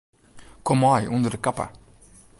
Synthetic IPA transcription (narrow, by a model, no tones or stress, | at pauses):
kʰɔmajʔɵnd̪əɾkapa̰